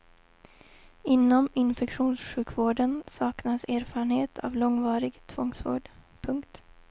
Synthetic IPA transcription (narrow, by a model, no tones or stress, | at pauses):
ɪnːɔmɪnfɛkɧuːnsɧʉ̟ːkʰvoːɖənsɑːknaseːɾfɑːɾəɳheːt̪ʰa̰vlɔŋːvɑːɾɪɡt̪ʰvɔŋsvo̰ːɖ | pʰɵŋkt̪